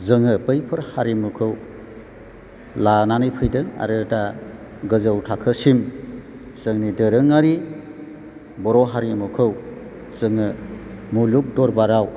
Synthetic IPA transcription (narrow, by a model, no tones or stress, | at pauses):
zɯŋɯpɯjpʰɯɾhaɾimɯkʰɯw | lananɯjpʰɯjdɯŋa̰ɾɯda | ɡɯzəwtʰakʰɯsim | z̥ɯŋnidɯɾɯŋaɾi | bɔɾɔɦaɾimɯkʰɯw | zɯŋɯmuluk̚dɔɾbaɾaw